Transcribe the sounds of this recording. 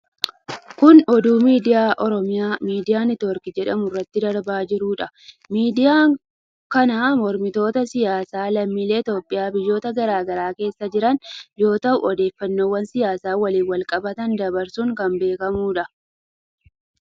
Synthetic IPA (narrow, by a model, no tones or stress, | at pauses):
kʊnɔd̪uːmiːd̪ɪjaːʔɔɾɔmɪjaːmiːd̪ɪjaːnɪt̪ɔɾkɪd͡ʒɛᶑɐmʊrːɐt̪ːɪd̪ɐɾbaːd͡ʒɪɾuːᶑɐ | miːd̪ɪjaːŋ | kɐnaːmɔɾmɪt̪o̞ːt̪ɐsɪjaːsaːlɐmːiːleːt̪oːpʼːɪjaːbɪjːo̞ːt̪ɐɡɐɾaːɡɐɾaːke̞ːsːɐd͡ʒɪɾɐnjo̞ːt̪ɐhʊɔd̪e̞ːfːɐnːoːwːɐnsɪjaːsaːwɐliːnwɐlkʼɐbɐt̪ɐnd̪ɐbɐɾsuŋkɐmbe̞ːkɐmuːᶑɐ